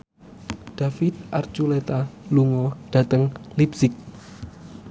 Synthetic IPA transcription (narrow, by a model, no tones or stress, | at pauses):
ɖ̪̥afit̪̚ʔart͡ʃulet̪aluŋɔɖ̥a̤t̪əŋlipsɪk̚